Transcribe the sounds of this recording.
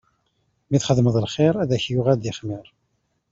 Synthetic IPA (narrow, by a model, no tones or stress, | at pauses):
miθχəðməðˤlχɪɾˤæðæçjʊʁæd̪ɪχmɪɾˤ